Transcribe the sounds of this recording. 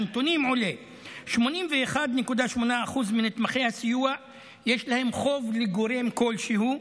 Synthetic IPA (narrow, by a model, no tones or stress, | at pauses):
nt̪onimʕole | ʃmo̞nimveːχad̪nekud̪aʃmo̞naːχuzminet̪maχe̞jhasijua | jeʃlahe̞mχo̞vleɡo̞ɾe̞mko̞lʃehu